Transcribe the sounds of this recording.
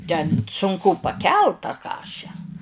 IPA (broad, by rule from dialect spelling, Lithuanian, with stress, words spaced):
tʲɛn sʊŋˈkʊ pɐˈkʲɛlˠt tɐ ˈkɑːʃʲɛ